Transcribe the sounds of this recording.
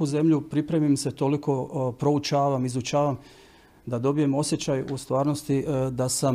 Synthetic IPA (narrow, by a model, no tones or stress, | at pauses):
uze̞mʎupɾipɾemimse̞t̪o̞liko̞pɾo̞ut͡ʃaːʋamizut͡ʃaːʋam | d̪ad̪o̞bije̞mo̞sje̞t͡ɕajust̪ʋaːɾnost̪id̪asam